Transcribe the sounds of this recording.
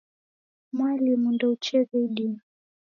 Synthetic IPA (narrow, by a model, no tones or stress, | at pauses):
mwalimundɔut͡ʃɛzaiɗi